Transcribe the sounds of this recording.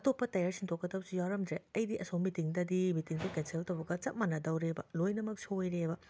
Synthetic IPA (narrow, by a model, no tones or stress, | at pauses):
ɐtopːɐtɐjaɾsʰiŋtʰokːɐdɐp̚sijawɾɐmdɾeɐjdiʔɐsowmitiŋdɐdimitiŋdikenseltɐwbɐɡɐt͡ʃɐt̚mɐnɐdɐwɾebɐlojnɐmɐk̚siojɾebɐ